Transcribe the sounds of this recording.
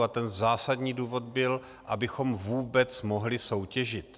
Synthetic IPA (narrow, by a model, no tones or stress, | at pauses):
at̪ɛnzaːsadɲiːduːvo̞d̪̚bɪl | ʔabɪxo̞mvuːbɛt͡smo̞ɦlɪso̞wcɛʒɪt̪